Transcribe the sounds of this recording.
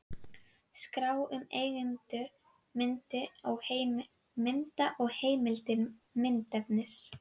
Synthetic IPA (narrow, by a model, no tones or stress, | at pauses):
skɾaːwʏmeːjɣɪnt̪ʏ | mɪnt̪ɪawheːjm | mɪnt̪aʔɔɣheːjmɪlt̪ɪnmɪnt̪ɛpnɪs